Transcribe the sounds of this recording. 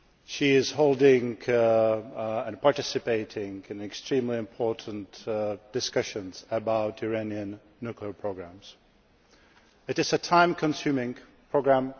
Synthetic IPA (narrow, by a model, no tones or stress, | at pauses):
ʃiɪz̥hoʊlˠdɪ̃ŋ | ə̃npʰɑɹtɪsɨpeɪɾɪ̃ŋɨ̃nɨkstɹ̥ĩmliɨ̃mpʰɔɹʔn̩td̥ɨskʌʃɨ̃nz̥əbaʊtəɹẽniɨ̃nː | ʉkliəpʰɹ̥oʊɡɹæ̃mz̥ | ɨɾɨzɨtʰãɪ̃mkʰə̃nsʉ̃mɪ̃ŋ | pʰɹ̥oʊɡɹæ̃m